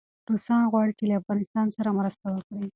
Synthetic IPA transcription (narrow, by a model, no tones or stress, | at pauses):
ɾosɑnɣwɑɽit͡ʃelaafɣɑnɪst̪ɑnsaɾamɾəst̪awəkɽi